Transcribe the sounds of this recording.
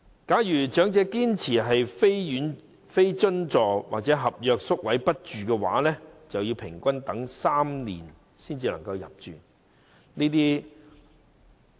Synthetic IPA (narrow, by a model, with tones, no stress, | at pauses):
kaː˨˥jyː˨˩t͡ʃœː˨˥ŋt͡sɛː˧kiː˥nt͡sʰiː˨˩ɦɐ˨jfe˥jjyː˨˥n | fe˥jt͡sɵ˥nt͡sɔː˨wa̰ː˨k̚t͡sɛː˨˥ɦɐ˨p̚jœː˨˧k̚sʊ˥k̚wɐ˨˥jpɐ˥t̚t͡ʃyː˨kɛː˧wa̰ː˨˥lɛː˥t͡sɐ˨wjiː˧wpʰɪ˨˩ŋkʷɐ˥nt̪ɐ˨˥ŋsaː˥mnḭː˨˩n | siː˥nt͡siː˧lɐ˨˩ŋkɐ˧wjɐ̰˨p̚t͡ʃyː˨n | niː˥t̪̬iː˥